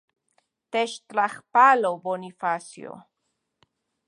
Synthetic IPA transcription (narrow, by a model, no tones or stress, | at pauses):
t̪eʃt̪ɾaχpalobonifasj̰o̰